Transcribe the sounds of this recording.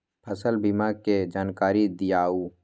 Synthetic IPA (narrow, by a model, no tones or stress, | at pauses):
pʰəsəlbɪmaːɡked͡ʒaːnkaːɾid̪ɪjaːuː